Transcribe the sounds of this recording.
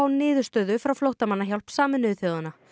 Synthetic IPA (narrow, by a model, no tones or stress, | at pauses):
awnɪːðʏ̥st̪œːðʏfɾawflowht̪amanːaçjal̥psaːmɪnːʏʏθjowðanːa